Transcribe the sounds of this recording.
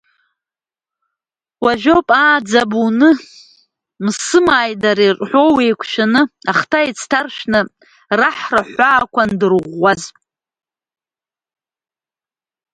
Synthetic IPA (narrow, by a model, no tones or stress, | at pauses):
waʒᶣopʼaːd͡zabunɨ | msɨmaːjdaɾirʼħʷo̞wejkʷʰʃᶣanɨaχtʰait͡sʰtʰarʃᶣnɨ | raħraħʷaːkʷʰandɨrʁʷːazʼ